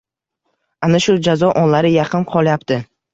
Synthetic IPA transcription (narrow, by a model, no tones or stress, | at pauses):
anaʃʊd͡ʒazɒʔɒnlaɾɪjɑqʰɨnqʰɒlˠjapt̪ɪ